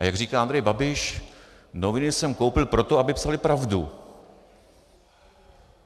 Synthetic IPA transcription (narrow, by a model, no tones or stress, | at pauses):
ajaɡr̝iːkaːʔand̪ɾɛjbabɪʃ | novɪnɪsɛmko̞wpɪlpɾo̞t̪oabɪpsalɪpɾavdṵ